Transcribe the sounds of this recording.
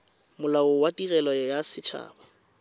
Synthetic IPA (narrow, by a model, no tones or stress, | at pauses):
mʊlaʊwatirɛlɔjasɪt͡ʃʰa̰ːbɔ